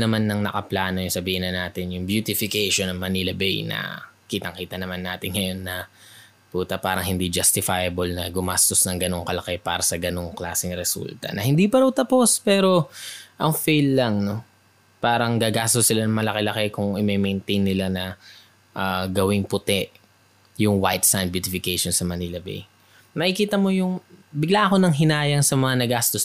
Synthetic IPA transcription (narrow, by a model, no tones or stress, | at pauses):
nɐmanːɐŋnɐkɐplaːno̞jʊŋsɐbiːhɪnɐnaːt̪ɪnjʊŋbjut̪ɪfɪkɛjʃonɐŋmɐnilɐbɛ̰jnɐ̰kiːt̪ɐŋkiːt̪ɐnɐmanːaːt̪ɪnŋɐjo̞nːɐ | puːt̪ɐpaːɾɐŋhɪnd̪id͡ʒɐst̪ɪfajɐbolnɐɡʊmast̪o̞snɐŋɡɐno̞ŋkɐlɐkɛpaːɾɐsɐɡɐno̞ŋklaːsɪŋɾɛsṵlt̪ɐ̰nɐhɪnd̪ipɐɾɐwt̪ɐpo̞spɛːɾo̞ʔɐŋfejlːɐŋno̞ | paːɾɐŋɡaɡaːst̪osɪlanɐŋmɐlɐkelɐkɛkʊŋʔɪmɛmɛjnt̪ejnːɪlanɐ | ʔaɡɐwɪŋpʊt̪ɛʔ | jʊŋwajt̪̚sajnd̪̚bjut̪ɪfɪkejʃonsɐmɐniːlɐbḛj | mɐʔɪkiːt̪ɐmo̞jʊŋbɪɡlaʔɐko̞nɐŋɦɪnaːjɐŋsɐmɐŋanɐɡast̪os